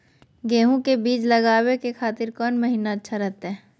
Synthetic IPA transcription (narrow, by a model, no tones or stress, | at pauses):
ɡeːɦũkebiːt͡ʃlɐɡaːwekexʰaːt̪ɪɾkɔːnmɐɦiːnaɐtːʃʰaɾɛɦt̪eɦɛ̃ː